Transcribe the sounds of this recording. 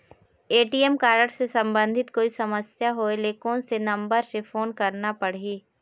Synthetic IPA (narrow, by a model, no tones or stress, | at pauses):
eːʈiːɛmkaːɾəʈsesɐ̃mbə̃nd̪ʱɪt̪koːisɐməsjaɦoeleːkõsenɐ̃mbəɾsefoːnkɐɾnapɐɽ̤iː